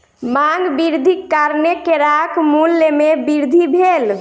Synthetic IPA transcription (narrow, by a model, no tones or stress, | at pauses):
maŋɡbiɾd̪ʱikːaɾnekeɾakmulːemebiɾd̪ʱibʱel